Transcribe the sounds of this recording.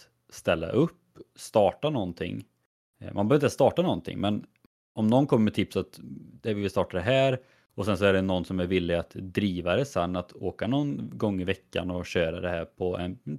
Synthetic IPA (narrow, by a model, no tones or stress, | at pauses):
st̪ɛlːa̰ʔɵpːst̪ɑːʈanɔnt̪ʰɪ̰ŋː | mʔanbœːɾɪst̪ɑːʈanɔnt̪ʰɪ̰ŋmɛn | ɔmnɔnkʰɔmːəmɛt̪ʰɪpsat̪d̪ɛvɪlvɪst̪ɑːʈad̪ɛɦæːɾ | ɔsɛnsɔæɖɛnɔnːsɔmæɾvɪlːɪɡat̪d̪ɾiːvaɾɛsɛnːat̪oːkanɔnɡɔŋːɪvɛkːa̰nɔɕøːɾa̰d̪ɛɦæːɾpʰɔɛ̰n